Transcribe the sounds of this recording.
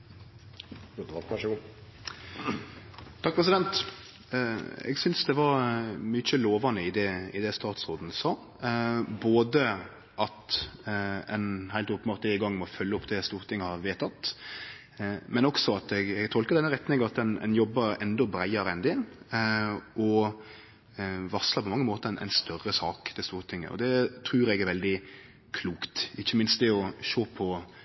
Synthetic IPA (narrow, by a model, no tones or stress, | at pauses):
t̪ʰɑk̚pʰɾɛs̬ɪd̪ɛnt̪ | ɛ̰ɡsʏnsd̪ɛʋɑɾmyt͡ʃəloːʋɑnəɪd̪ɛɪ̰d̪ɛst̪ɑːt̪sʁoːd̪n̩sɑː | boːd̪ə | ʔɑt̪ | ɛnhæɪlt̪ɔːpːm̩ɑʁt̪ɪɡɑŋːmɔfœlːəɔpd̪ɛst̪uːɾt̪ʰɪŋːəhɑɾʋeːt̪ʰɑt̪ | mɛnɔksɔɑt̪ɛɡɛɡt̪ʰɔlkəɾd̪ɛnːəɾɛt̪nɪŋəɑt̪d̪ɛnɛ̰njɔbːəɾɛ̰nd̪ɔbɾæɪɑɾəɛnd̪ɪn | ʔɔ | ʋɑsləpʰɔmɑŋːəmoːt̪əɛnʔɛ̰ɪnst̪œrəsɑːkd̪̥ɛst̪uːɾt̪ʰɪŋːə̰ɔ̰d̪ɛt̪ʰɾʉːɾɛɡæɾʋɛld̪ɪ | kʰluːkt̪ɪçːəmɪnst̪d̪ɛɔʃoːpʰɔ